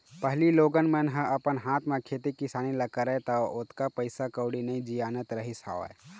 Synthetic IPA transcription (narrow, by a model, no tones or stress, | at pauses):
pəɦliloːɡənmənɦə̃ʔɐpənɦaːt̪ʰmẽkʰeːt̪ikɪsaːnilɐkəɾat̪ɐʊt̪kapəɪsakəːɽinɐĩd͡ʒijaːnət̪ɾəɦisa̰ːʋa̰